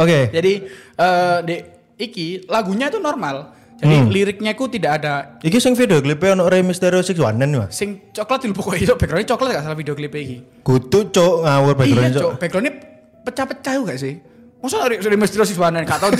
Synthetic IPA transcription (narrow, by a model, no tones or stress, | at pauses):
oked͡ʒadiəːnde | ikilaɡuɲait̪unɔrmal | d͡ʒadiliɾɪk̚ɲaikut̪idaʔadaikisɪŋfidioklipeɔnɔʔɾemist̪eɾiosɪkswa̰nəniwa̰sɪŋt͡ʃɔklat̪d̪ilupɔkoisɔʔb̥ɛɡɾɔnit͡ʃɔklat̪̚ɡaʔsalahfideoklipeiki | ɡ̥ut̪ut͡ʃoʔŋawʊrbɛɡɾɔnt͡ʃob̥eɡɾɔni | pət͡ʃapət͡ʃajuɡaʔsɪh | ŋɔsɔrimist̪eɾios̬ɪk̚swanənkat̪a